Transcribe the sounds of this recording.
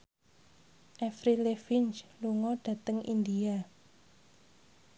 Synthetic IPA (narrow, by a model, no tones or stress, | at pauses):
ʔɛfɾilefɪnt͡ʃluŋɔɖ̥a̤t̪əŋḭnd̪ia